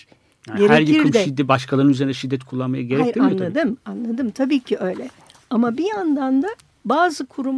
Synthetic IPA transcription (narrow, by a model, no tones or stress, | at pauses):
aɟe̞ɾeæɾjaikʰɾɯmʃɛid̪ːɛbaʃkʰalˠaɾɯnyzeinɛʃid̪ːɛt̪kʰulˠːanmajaɟe̞ɾɛeamjoad̪ɯmanlˠad̪ɯmt̪ʰabiːcʰiʔø̞jlʲɛ | amabijand̪and̪a | baːzɯkʰuɾum